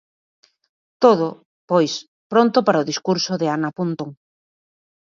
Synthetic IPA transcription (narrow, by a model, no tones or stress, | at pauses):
t̪oðo | pojs | pɾont̪ʊpaɾaoðiskuɾsoðɪanapunt̪oŋ